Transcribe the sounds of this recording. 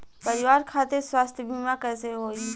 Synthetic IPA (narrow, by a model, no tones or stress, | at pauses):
pəɾɪʋaːɾkʰaːt̪eswaːst̪ʰbʱiːmakɛːseɦoːiː